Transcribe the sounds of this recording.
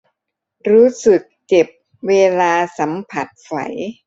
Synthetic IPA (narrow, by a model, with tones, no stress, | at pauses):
ɾuː˦˥sɯ˨˩k̚t͡ɕe˨˩p̚ | weː˧laː˧sa˩˦mpʰa˨˩t̪̚fa̰˨˩˦j